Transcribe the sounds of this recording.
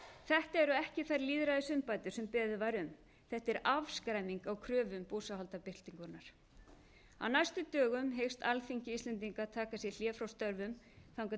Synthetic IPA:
θɛht̪ɛɾʏɛhcɪθaɾliːðɾaðɪsʏmpaːjt̪ʏ̥sɛmpɛːðʏvaɾʏm | θɛht̪ɛɾavskɾajmiŋkawkʰɾœːvʏmpuːsaɦɔlt̪apɪr̥t̪iŋkʏɾnaɾ̥ | a̰wnajst̪ʏt̪œːɣʏmɦejwst̪alθiɲcɪist̪lɛnt̪iŋkat̪ʰaːkasjɛl̥jɛːfɾawst̪œɾvʏm | θawŋka

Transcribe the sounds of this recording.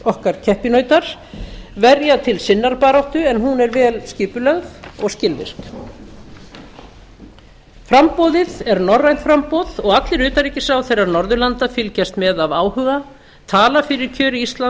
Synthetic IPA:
ɔhkaɾ̥cʰɛhpɪnœːɥjt̪aɾ̥vɛɾjat̪ʰɪlsɪnːaɾpaːɾawht̪ʏɛnɦunɛɾvɛːlscɪːpʏlœɣðɔɣscɪlvɪ̰r̥k | fɾampɔːðɪðɛɾnɔrːajnt̪fɾampɔːðɔɣat̪lɪɾʏːt̪aɾiːcɪsawθejraɾnɔɾðʏlant̪afɪlcɛst̪mɛðavaːwhʏɣa | t̪ʰaːlafɪɾɪɾ̥cʰœːɾɪist̪la

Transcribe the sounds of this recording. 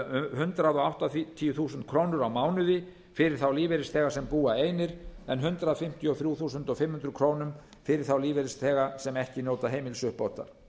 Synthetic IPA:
hʏnt̪ɾaðɔɣawht̪aθt̪ʰiːjʏθuːsʏnt̪̚kʰɾoːwnʏɾawmaːwnʏðɪ | fɪɾɪɾ̥θawliːveɾɪst̪θɛːɣasɛmpuːaeːjnɪɾ̥ɛnɦʏnt̪ɾaðfɪm̥t̪jɔθɾjuːθuːsʏnt̪ɔfɪmhʏnd̪ɾʏɾkʰɾoːwnʏm | fɪɾɪɾ̥θawliːvɛɾɪst̪θɛːɣasɛmɛhcɪnoːwt̪aɦejmɪlsʏhpowht̪a̰ɾ̥

